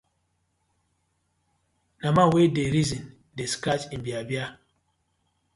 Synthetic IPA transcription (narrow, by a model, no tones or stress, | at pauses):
namawedeɾizĩn | deskat͡ʃĩnbiabja